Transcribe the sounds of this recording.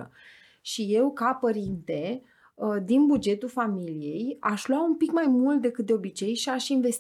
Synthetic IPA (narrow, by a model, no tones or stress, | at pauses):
ə̰ | ʃije̞wkapəɾint̪e̞ | d̪inbud͡ʒe̞t̪ulfamilije̞jaʃlwaumpikmajmult̪̚d̪e̞kɨt̪̚d̪e̞obit͡ʃe̞jʃiaʃinve̞s